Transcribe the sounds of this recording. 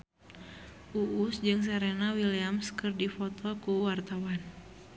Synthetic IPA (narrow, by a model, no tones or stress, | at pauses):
ʔuʔusd͡ʒɨŋs̬ɛɾɛnawiliamskɨrdifɔt̪ɔkuwart̪awan